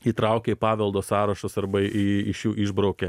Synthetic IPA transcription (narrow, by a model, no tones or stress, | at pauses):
iːt̪ɾɑˑʊkʲɛipɑːʋʲɛlˠd̪oːssɑːɾɐʃosɐɾbɐiɪʃjuːʔɪʒbɾɒʊkʲɛ